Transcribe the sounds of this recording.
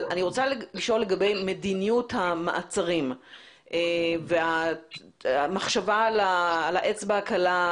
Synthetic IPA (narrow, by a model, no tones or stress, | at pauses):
aniʁot͡salliʃoʁleɡabejmedinijuthama̰ʔat͡saʁim | ʔevea | maχʃavalaːlaʔet͡sbeakala